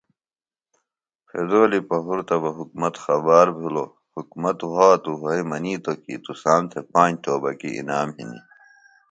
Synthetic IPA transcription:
pʰed̪oːlipɐɦuɾt̪ɐbɐɦuk̚mɐt̪xɐbaːɾbʱilo | hukmɐt̪waːt̪uɦɐimɐniːt̪okḭːt̪usaːnt̪ʰepãːt̪oːbɐkḭʔḭnaːmɦḭnḭ

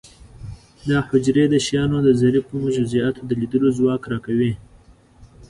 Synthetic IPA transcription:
d̪ɑhʊd͡ʒɾed̪əʃjɑnod̪əzaɾipəmʊʒʊziat̪od̪əlid̪əlozwɑkɾɑkawi

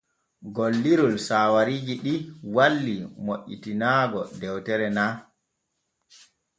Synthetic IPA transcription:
ɡolːiɾulsaːwaɾiːd͡ʒiɗiwalːimoʔːḭtinaːɡɔdɛwtɛɾɛna

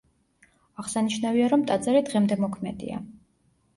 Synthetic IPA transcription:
aʁsaniʃnaviaɾɔmt̪ʼad̪zaɾid̪ʁɛmd̪ɛmɔkʰmɛd̪ḭa̰

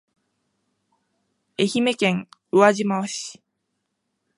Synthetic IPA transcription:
eçime̞kẽŋɯaʑimaoɕi̥

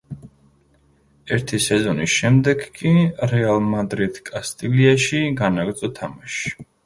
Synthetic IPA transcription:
ɛɾt̪ʰisɛzɔnisʃɛmd̪ɛɡkʼiɾɛalˠmad̪ɾid̪̥kʼast̪ʼiliaʃiɡanaɡɾd̪zʼɔt̪ʰamaʃ

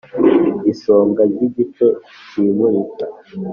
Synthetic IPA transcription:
iso̞ːŋɡaɾɟiɟito | t͡ʃiːmuɾita

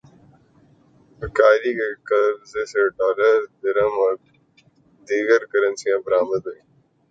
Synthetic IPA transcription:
əkaːɾiːkeːkəbzeːseːʈaːləɾd̪əɾəmɔɾ | d̪iːɡəɾkəɾə̃nsijãːbəɾaːməd̪ɦuĩː

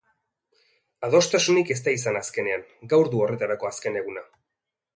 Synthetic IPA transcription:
aðo̞st̪asunike̞s̬t̪ais̬anaske̞ne̞aŋɡawɾðuo̞re̞t̪aɾako̞aske̞ne̞ɣ̞una

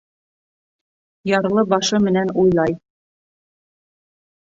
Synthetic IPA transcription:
jɑɾlˠɤbɑʃɤmɘ̆nænujlˠɑj

